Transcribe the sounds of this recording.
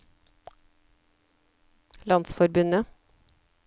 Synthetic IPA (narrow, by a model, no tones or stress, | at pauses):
lɑnsfɔɾbʉnə